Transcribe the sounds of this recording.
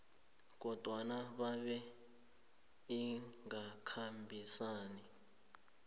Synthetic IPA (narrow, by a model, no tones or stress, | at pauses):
k̬ɔd̥ʱwanaɓaɓɛ | iŋakʰambʱisaːni